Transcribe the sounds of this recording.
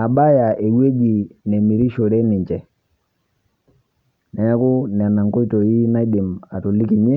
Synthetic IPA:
a˨ɓa˦ja˨ʔe˨we˦d͡ʒi˨nɛ˨mi˨ɾi˦ʃo˨ɾɛ˦nɪ˨ɲt͡ʃɛ˨ | na˨ja˦kʊ˦nɛ˨na˨ŋkɔ˦i˦to˨i˦na˦ɗɪ˨ma˨tu˨li˦ki˨ɲɛ˦

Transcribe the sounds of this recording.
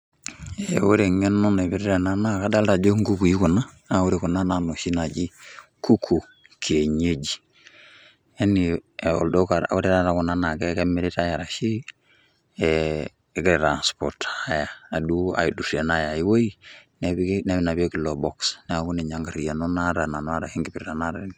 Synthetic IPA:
ewu˦ɾe˨ŋɛ˦nːo˦ne˨βi˦ɾɾe˨na˦na˦ka˦da˦lta˨d͡ʒo˦ŋɡu˦ku˨ji˦ku˨na˦ | a˨wu˦ɾe˨ku˨na˦na˨no˨ʃi˦na˨d͡ʒi˦ku˦kʰu˨ | kʰe˨ɲe˦d͡ʒi˨ | e˦ni˨o̰ldo˦ka̰wu˦ɾe˦ɾa˦ɾa˦ku˨na˦na˨ke˦ke˦mi˦ɾi˦ta˦ja˨ɾa˨ʃi˦ | kɾe˨ɾa˨nspɔ˨ɾta˦ja˨a˨du˦a̰˨ji˨du˨se˨na˦ja˨ji˦wo˦i˦ne˨bne˦βi˦na˨be˦ki˨lo˨bɔ˨ksn˨a˨ku˦ne˨ɲa˦ŋɡa˨ɾi˨ja˨no˦na˦ɾa˨na˨n˦a˦ɾa˨i˦ŋɡi˨piɾɾa˨na˦ɾe˦n

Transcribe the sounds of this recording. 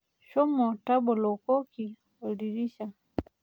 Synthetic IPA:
ʃɔ˦mɔ˨ta˦bɔ˨lɔ˨kɔ˦ki˨ | ɔ˨li˨ɾi˦ʃa˨

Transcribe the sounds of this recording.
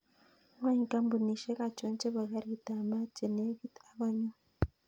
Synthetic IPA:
ŋwa˦ɲi˨ka˦mbu˨ni˨ʃe˦ka˨t͡ʃo˨˦nt͡ʃe˦βa˨ɡa˦ɾi˨ta˨ma˦t͡ʃe˨ne˦ɡi˦ta˨βa˨ɲu˦

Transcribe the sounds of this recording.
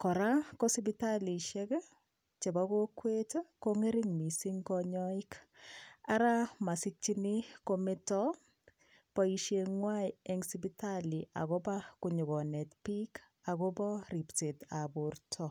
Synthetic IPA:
kɔ˨ɾa˦ko˦sibi˦tali˨ʃɛ˦k | t͡ʃe˨ba˦ko˦kwe˦tkoŋe˦ɾi˦ŋmi˨si˦ŋɡɔɲɔi˦k | a˦ɾa˦ma˨si˦t͡ʃːi˦ni˦ko˦mɪ˦tɔ˦ | pɔi˨ʃeŋwajɛ˦ŋsi˦bitali˨ʔa̰˨ɣɔ˦ba˦kuɲu˨ɣɔ˨nɛ˨tpi˦k | a˨ɡɔ˦bɔ˦ri˨pte˨ta˨burtʰɔ˨

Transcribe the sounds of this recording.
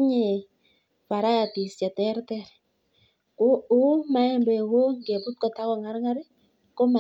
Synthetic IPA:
ɲe˨ | pa˨ɾa˦ja˨ti˨sja˨tɛ˦ɾtɛ˦˨ɾ | u˦ma˨˦ɛ˦mbɛ˨wo˦ŋɡe˨pu˦t̚kɔ˨ta˦kɔ˨ŋa˨˦ɾŋa˦ɾe˦ | ko˦ma˨

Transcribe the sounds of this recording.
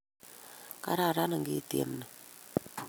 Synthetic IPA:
ka̰˦ɾa˦˨ɾa˦na˨ŋɡi˦˨tḛ˨˦m˦ni˨

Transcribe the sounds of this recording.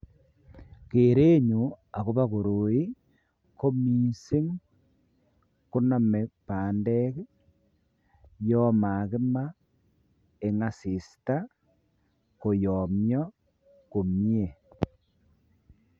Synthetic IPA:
ke˨ɾe˦ɲu˨ | a˨ko˦βa˦ko˨ɾo˨i˦ | ko˦mi˨se˦ŋ | ku˦na˨me˨paː˨ndɛ˦k | jɔ˦ma˨kɪ˦ma˦ | e˨ŋa˨si˨sta˦ | ko˨jɔ˨mjɔ˦ | ko˨mje˨

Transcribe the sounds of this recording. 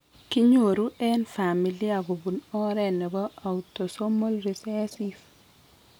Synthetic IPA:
ki˦ɲo˨ɾu˦ʔɛ˦nfa˨mi˨li˦a˨ɡo˨bu˨nɔ˦ɾɛ˦nɛ˨bɔ˦a˨uto˨so˦mo˦lɾi˨sɛ˦sif

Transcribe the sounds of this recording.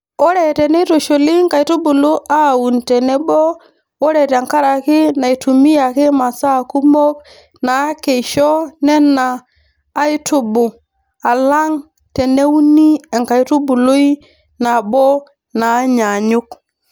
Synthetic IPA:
o˦ɾe˨tɛ˨ne˦to˨ʃo˨li˦ŋka˨jtu˦bu˨lo˦ʔa˦˨wu˨nte˨ne˦bɔ˦ | o˦ɾe˨te˨ŋka˦ɾa˨kɪ˦na˨i˨tu˨mi˦ja˨kɪ˦ma˨sa˦˨ku˦mo˦k̚ | na˨˦ke˨ʃɔ˦nɛ˦nːaː˨˦ | ɪ˦tʊ˦bʊ˨ | a˨la˦ŋ | te˨ne˦u˦ni˦ɛ˨ŋka˨i˦tu˦bu˨lo˦i˦ | na˨bɔ˦ | na˨˦ɲa˨ɲʊ˦k

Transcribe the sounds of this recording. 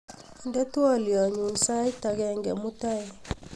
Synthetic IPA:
ndɛ˦tu˦a˦lja˨ɲu˨nsa˦jta˨ɡɛ˨ŋɡɛ˨mu˦ta˦j

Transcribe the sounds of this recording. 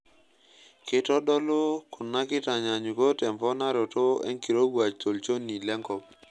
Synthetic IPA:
kɪ˦tɔ˦ɗɔ˦lo˦kʰʊ˨nːa˦kɪ˦ta˨ɲa˨ɲu˨ko˦tɛ˨mpɔ˦na˦ɾo˨to˦ɛ̰˦ŋki˨ɾo˦ɡa˨t͡ʃtʰo˨lt͡ʃo˦ni˨lɛ˦ŋkɔ˨p̚

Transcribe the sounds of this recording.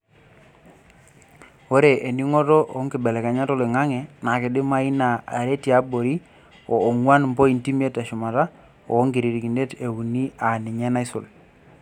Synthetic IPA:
o˦ɾe˨ʔe˨ni˦ŋɔ˦tɔ˦ʔŋkɪ˨bɛ˨lɛ˨ka˨ɲa˦tɔ˦lɪ˨ŋa˦ŋɛ˨na˨kɪ˨dɪ˦ma˦i˦na˨a̰˨ɾe˦ti˦a˦bo˨ɾi˦ | ɔː˨ŋwa˦nmpɔ˦i˨nti˦m˦e˦ta˨ʃʊ˨ma˨ta˦ | ɔ̰ː˨˦ŋɡi˨ɾi˨ɾi˨ki˨nde˦te˨wu˨ni˦a˨nɪ˨ɲɛ˦na˦ɪ˦sʊ̰˨l

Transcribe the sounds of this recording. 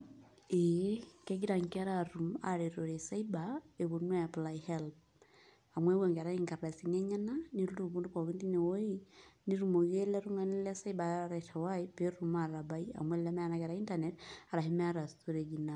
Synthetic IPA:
ekɛ˦ɡi˦ɾa˨ŋ˨ka˦ɾaɾu˨ma̰ɾe˨ɾo˨ɾe˨sa˦ibae˨βo˨nwɛ˦ja˨plaihɛlp | a˨mwɛ˦wɛ˨ŋɡɛ˨ɾa˦iŋka˨ɾa˨si˨ŋɛ˦ɲa˦na˦ni˦ɾu˦du˦˨βu˦ndu˦ka˨ki˦ndi˦nɛ˨wo˦ini˦ɾu˨mo˨ɣe˦lɛ˦ɾu˦ŋa˦ni˦lɛ˦sa˦iba˨aɾa˨tʰa˨waipeɾuma˨ɾa˨ba˦ia̰˨mwɛ˦lla˦mɛ˦a˦na˦kɛ˨ɾa˨i˦ntanɛta˨ɾa˨ɦi˦mɛ˦a˦ɾa˨sto˦ɾeɡina

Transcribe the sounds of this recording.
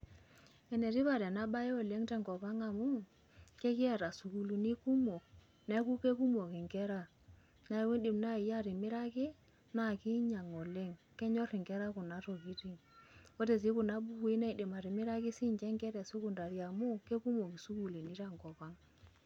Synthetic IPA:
ɛ˨ne˨ti˦βa˨ɾɛ˨na˦ba˦e˦o˨le˦ŋtɛ˦ŋɡɔ˨pa˦ŋa˨mu˦ | ke˦kɪ˦a˨ɾa˨su˨ku˨lu˨ni˦ku˦mo˨k̚ | nɛ˦ku˦ke˦ku˦mo˨kɪ˨ŋɡɛ˦ɾa˦ | na˨˦we˦di˨mna˦i˨ja˦˨ɾi˨mɪ˦ɾa˦kɪ˦ | na˦˨ki˦ɲa˨ŋɔ˨le˦ŋ | kɛ˦ɲɔ˦ɾɪ˨ŋɡɛ˦ɾa˦ku˨na˦to˨ki˦ti˦ŋwo˦te˨s̬i˦ku˨na˦bu˦ku˦i˦na˦i˨di˨ma˨ɾi˨mɪ˦ɾa˦kɪ˦si˦ɲt͡ʃɛ˦ŋɡɛ˦ɾɛ˨su˦ku˨nda˨ɾja˨mu˦ke˦ku˦mo˨ki˨su˦ku˨le˨ni˦ta˦˨ŋɡɔ˨pa˦ŋ

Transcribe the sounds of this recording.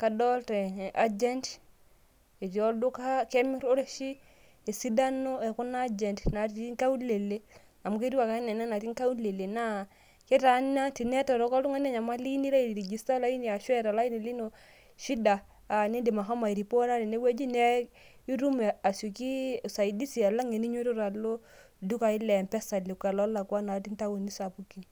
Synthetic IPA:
ka˨dɔ˦ltɛ˨n˨ʔa˦d͡ʒɛ˦nt | e˨d͡ʒɔ˦du˦kakɛ˦mi˦ɾo˦ɾe˦ʃi˦ | e˨si˦da˦no˦ɛ˨ku˦na˦d͡ʒɛ˨ntna˨ti˦ŋka˦u˦le˨le˦ | a˨mu˦ke˦ɾi˦wa˨ka˦nɛ˨na˦na˨ti˦ŋka˦u˦le˨le˨na˦ | ke˦ta˨na˦ti˨nɛ˦tɔ˨ɾɔ˨˦kɔ˦lu˦ŋa˦n˦ɛ˦ɲa˨ma˦li˦ni˦la˦i˨i˨ɾi˨d͡ʒi˨sta˦la˦i˦ni˨a˨ʃwɛ˦ɾa˨la˦i˦ni˨li˦no˨ | ʃi˦daː˨ | ni˦de˨ma˨ɦɔ˦ma˨i˨ɾi˨po˦na˦ne˨ne˦we˦d͡ʒi˦nɛ˦ | i˦ɾu˦mɛ˨a˨su˨ki˦sa˨i˨di˦si˨a˨la˦ŋe˨ni˦ɲe˦ɾu˦ɾa˨lo˦ | du˦ka˨i˦lɛ˨mpɛ˦sa˨le˨ka˨lɔ˦la˨kwa˦na˨ti˦nta˦wo˨ni˦sa˨pu˦ki˨n

